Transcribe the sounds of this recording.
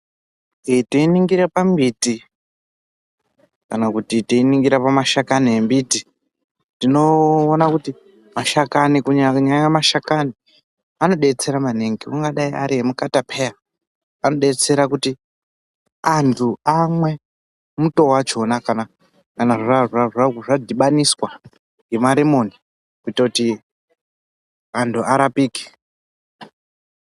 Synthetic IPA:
tiiniŋɡirapambiti | kanakutitiiniŋɡiɾapamaʃakaniembiti | tino̞ːnakuti | maʃakanikuɲakuɲaɲamaʃakani | ano̞ɗe̞t͡se̞ɾamaneŋɡiuŋɡaɗaia̰ɾiɦemukatapʰe̞ja | ano̞ɗe̞t͡se̞ɾakuti | antʰuamwe̞ | muto̞wat͡ʃo̞nakana | kanaʐaʐaʐaʐadʱiɓaniswa | ŋɡe̞maɾimo̞ni | kuitakuti | antʰuaɾapiːki̥

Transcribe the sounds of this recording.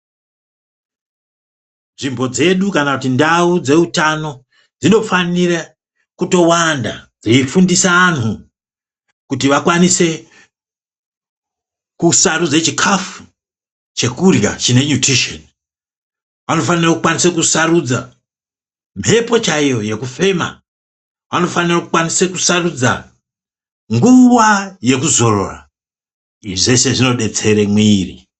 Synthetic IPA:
nʐimbo̞d͡ze̞ɗukanakutindaud͡ze̞utano̞ | d͡zino̞fanira | kuto̞wanda̰d͡ziifundisaːnu | kutiʋakwanise̞ | kusaɾud͡zat͡ʃikʰafu | t͡ʃe̞kurja̰t͡ʃine̞ɲutriʃo̰ni | ʋano̞fanirakukwanisekusaɾud͡za̰ | m̤ʰʱe̞po̞t͡ʃaijo̞je̞kufe̞ma̰ | ʋano̞fanirakukwanise̞kusarud͡za̰ | ŋɡuwaje̞kuzo̞ro̰ra̰ | ʐe̞se̞ʐino̞ɗe̞t͡se̞ɾe̞mwiːrḭ

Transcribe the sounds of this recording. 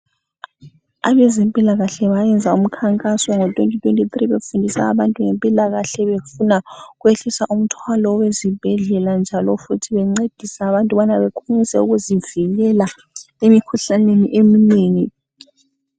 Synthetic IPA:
aβɛzempʼilaɣaɬɛβajɛnd͡zʱaum̩kʰaŋkʼasɔŋɔtʼwentʼitʼwentʼitriβefundʱisa̰ːβantʼuŋempʼilaɣaɬɛβefunaɣweɬisaʔum̩tʰwalɔwezib̥ʱɛɮɛland͡ʒʱalɔfutʰiβɛŋ͡ǀed̥ʱisaːβantʼuβanaβekʰunisɛuɣuziviɣɛla | emikʰuɬaneniʔemineːŋi

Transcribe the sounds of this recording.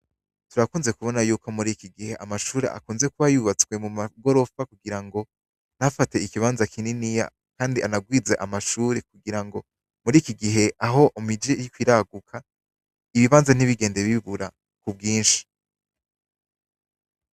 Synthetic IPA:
tuɾakuːnze̞kuβo̞najuːkomuɾikiɡihe̞ʔamaʃuːɾe̞̰ʔa̰kuːnze̞kuβajuβat͡swe̞mumaɡo̞ɾo̞fakuɡiɾaŋɡo̞ | n̥hafate̞ikiβaːnzakʰininija̰ | kaːndiʔanaɡwiːd͡zeʔamaʃuːɾek̚uɡiɾaŋɡo̞ | muɾiːkiɡiɦe̞ʔaɦo̞ʔumid͡ʒejikwiɾaɡukʰa | iβiβaːnzan̥iβiɡe̞ːndeβiβuɾa̰ | kubɡiːnʃi̥

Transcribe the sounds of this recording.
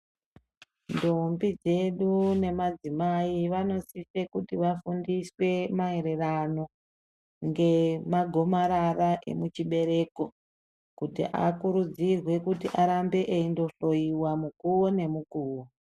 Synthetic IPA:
ndombid͡ze̞ɗune̞mad͡zimaiʋano̞sife̞kutiʋafundiswe̞maeɾe̞rano̞ | ŋɡe̞maɡʱo̞maɾaraʔe̞̰mut͡ʃiɓe̞ɾe̞ːko̞ | kutḭʔa̰kuɾud͡zirwe̞kutiʔaɾambe̞ʔeindo̞ɬo̞iwamukuwone̞mukuːwo

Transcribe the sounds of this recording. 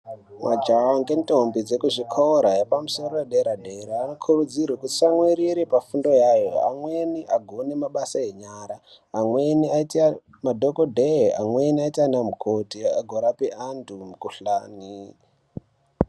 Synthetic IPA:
mʔad͡ʒawaŋɡentʼombid͡zekuʐikʰooɾajepamuso̞rojeɗeɾadʱeɾaːno̞kʰurud͡zirwekuti̥saŋwiɾiɾepafundo̞jajoa̰mweniʔaɡʱonemaɓasae̞ɲaːɾaː | mweniaitia | madʱokodʱea̰mweniaitianamukʰotiaɡʱoɾapeʔandumukuɬaːni

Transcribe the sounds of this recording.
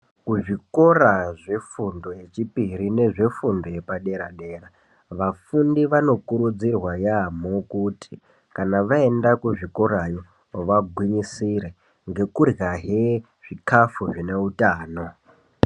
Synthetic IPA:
kuʐiko̞raʐe̞fundo̞je̞t͡ʃipiɾine̞ʐe̞fundo̞je̞paɗe̞ɾaɗe̞ːra | ʋafundiʋano̞kuɾud͡zirwajamokutʰi | kanaʋae̞ndakuʐiko̞ɾajo̞ | ʋaɡʱwiɲisiɾe | ŋɡe̞kurjaɦe | ʐ̥ikafuʐine̞utaːno̞

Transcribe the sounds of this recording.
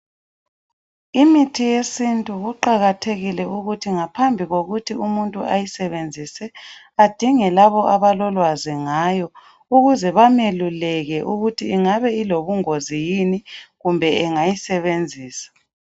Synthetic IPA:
imitʰijesintʼuɣuǃaɣatʰeɣilɛuɣutʰiŋapʰambʱiɣoɣutʰiumuntʼuʔajisɛβend͡zʱisɛ | ad̥ʱiŋɛlaβɔʔaβalɔlwaziŋaːjɔ | uɣuzɛβamelulɛɣɛʔuɣutʰiːŋaβɛiloβuŋozijiniɣumbʱɛɛŋajisɛβend͡zʱiːsḁ

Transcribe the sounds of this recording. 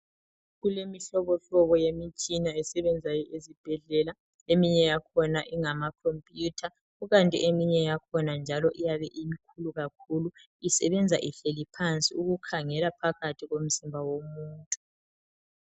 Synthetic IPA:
ɣulemiɬɔβɔɬɔβɔjemit͡ʃʼinaɛsɛβɛnd͡zʱajɔʔezib̥ʱɛɮɛla | emiɲɛjakʰɔnaʔiŋamakʰompʼjutʰa | ɣuɣantʼḭʔemiɲɛjakʰɔnand͡ʒʱalɔʔijaβɛʔimikʰuluɣakʰulu | isɛβɛnd͡zʱaʔiɬelipʰant͡sʼiuɣukʰaŋɛlapʰaɣatʰiɣom̩simbʱawomuːntʼu̥

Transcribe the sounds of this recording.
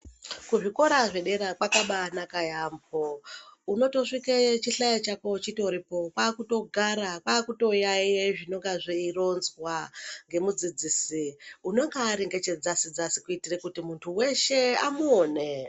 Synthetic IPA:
kuʐiko̞ɾaʐe̞ɗe̞ɾakwakaɓanakajambʱouno̞to̞ʂiket͡ʃiɬajat͡ʃako̞t͡ʃitouɾipo̞paːkuto̞ɡʱaɾapaːkuto̞jajeʐino̞ŋɡaʐiro̞nzwaŋɡe̞mud͡zid͡ziːsiuno̞ŋɡaːɾeŋɡe̞t͡ʃe̞d͡zasid͡zasikuitirekutimuntʰuwe̞ʃe̞amuoːne

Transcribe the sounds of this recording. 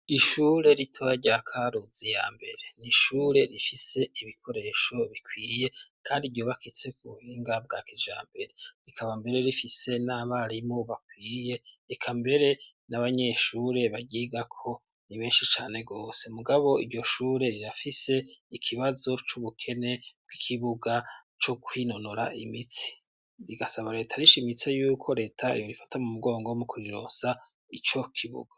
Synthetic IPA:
iʃuːɾe̞ɾitʰojaɾɟakʰaɾuzija̰mbe̞̰ɾe̞niʃuːɾe̞ɾifise̞iβikʰo̞ɾe̞ʃo̞βikwiːje̞kʰaːndiɾɟo̞βakit͡se̞kuβuhiːŋɡab̚ɡa̰ːked͡ʒa̰ːmbe̞ɾe̞ikʰaβambe̞ɾe̞ɾifise̞naβaɾimo̞βakwiːje̞ | ekʰambe̞ɾe̞ | naβaɲe̞ʃuɾe̞βaɟiːɡakʰo̞ | niβe̞ːnʃit͡ʃaːne̞ɡo̞ːse̞muɡaβo̞iɾɟo̞ʃuːɾe̞ɾiɾafise̞ikʰiβazo̞t͡ʃuβukʰe̞ne̞b̥̚ɡikʰiβuɡa | t͡ʃo̞kwino̞noɾaʔimit͡si̥ | ɾiɡasaβaɾe̞ːtʰaɾiʃimit͡se̞juːkʰo̞ɾe̞ːtʰaḭjoɾifḁtamumuɡo̞ːŋɡomukuɾiɾo̰ːsa | it͡ʃo̞kʰiβṵɡ̥ḁ

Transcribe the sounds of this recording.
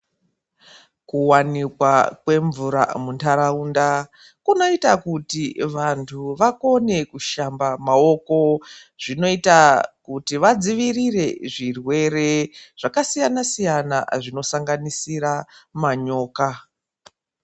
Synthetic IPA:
kuwanikwakwe̞ɱvuɾa̰muntʰaɾaunda | kuno̞itakutiʋantʰuʋako̞ne̞kuʃambamao̞ko̞ | ʐ̥ino̞itakutiʋad͡ziʋirire̞ʐirwe̞re̞ʐ̥akasijanasijana̰ʐino̞saŋɡanisiɾamaɲo̞ːka

